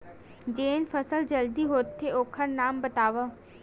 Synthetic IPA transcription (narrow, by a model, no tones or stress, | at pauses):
d͡ʒeːnfʰəsəld͡ʒəld̪iɦoːt̪ʰːeoːkʰəɾnaːmbət̪aːʋə